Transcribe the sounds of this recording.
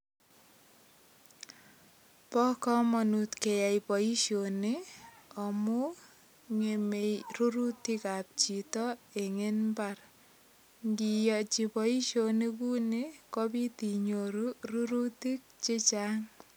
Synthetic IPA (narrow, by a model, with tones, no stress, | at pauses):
pɔ˦kɔ˦mɔ˨nu˨tke˨ja˨jpɔ˨i˦ʃo˨neɔ˨mu˦ | ŋe˨me˨jru˦ɾu˦ti˦ka˨p̚t͡ʃi˨tɔ˦e˨ŋe˦nbar | ŋɡi˨jɔ˨t͡ʃi˨pɔ˨i˦ʃoni˦ku˦nekɔ˦pi˦t̪i˨ɲoɾuruɾu˦ti˦k̚t͡ʃe˦t͡ʃaŋ